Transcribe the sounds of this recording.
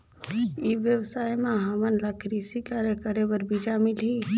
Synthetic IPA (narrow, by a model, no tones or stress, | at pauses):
iʋjəwsaːjmãɦamənlakʰɾisikaːɾjəkəɾebəɾbid͡ʒamɪlɦi